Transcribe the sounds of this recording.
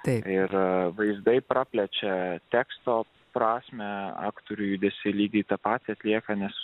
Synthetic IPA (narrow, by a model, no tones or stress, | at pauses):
t̪ɐɪɪɾʋɐɪzd̪ɐɪpɾɑːpʲlʲɛt͡ʃʲɛt̪ʲæːkst̪oː | pɾɑːsʲmʲɛɑ̰ːkt̪oɾʲʊjud̪ʲɛsʲɪlʲiːɡ̪ʲiːt̪ɑpɑːt̪ʲiɐt̪ʲlʲiɛkɐnʲɛs